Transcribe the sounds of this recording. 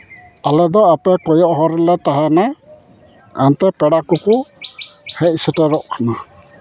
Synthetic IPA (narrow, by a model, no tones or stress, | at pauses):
alɛd̪ɔapɛkɔjɔʔɦɔɾɔlɛt̪aɦana | ant̪ɛpɛɽakukʊ | hɛʔsitɛɾɔʔkʰana